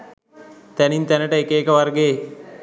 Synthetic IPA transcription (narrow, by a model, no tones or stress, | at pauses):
t̪ænint̪ænəʈəekeːkəʋarɡeː